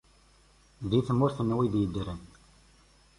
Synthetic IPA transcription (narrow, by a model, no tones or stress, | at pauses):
ðiθəmːʊɾθənːwiðjəd̪ːɾən